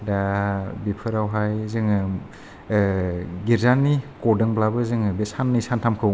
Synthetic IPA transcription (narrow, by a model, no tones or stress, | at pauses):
dabipʰɯɾawɦajzɯŋɯ | ɡiɾzanːikɔdɯŋblabɯzɯŋɯbesanːɯjsantʰamkʰɯw